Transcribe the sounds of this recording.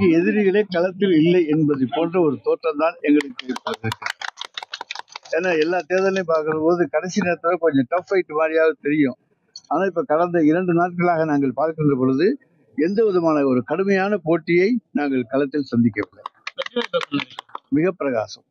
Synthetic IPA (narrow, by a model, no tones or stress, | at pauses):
ŋɡeɛðɪɾɪɣɐɭeːkɐlɐt̪ːɪlɪlːɐɪɛnbɐðɐɪpːoːndrɐɔɾɯt̪oːʈrɐnd̪aːnɛŋɡɐɭɐɪt̪ːeɪpːɐðɪɾɯkːɐ | eːnːaːɛlːaːt̪eːðɐlnɐɪp̬ːaːɾkɯɾɐpoːðɯkɐɽɐsɪnɪɾɐt̪ːɯlɐkɔɲd͡ʒɐ̃ʈɐfɐɪʈːɯmaːɾɪjaːɣɐt̪ɛɾɪjʊ̃ | aːnaːɪpːɐkɐɽɐnd̪ɐɪɾɐɳɖɯnaːʈ̚kɐɭaːɣɐnaːŋɡɐɭpaːɾkɪndrɐp̬ɔɻɯðɯ | ɛnd̪ɐʋɔðɯmaːnɐɔɾɯkɐɽɯmɐjaːnɐpoːʈːɪjɐɪnaːŋɡɐɭkɐlɐt̪ːɪlsɐnd̪ɪk̬ːɐʋɪɭːɐ̰ɐɐɐɐpːɐnɐmɪɣɐpːɪɾɐɣa̰ːsɐm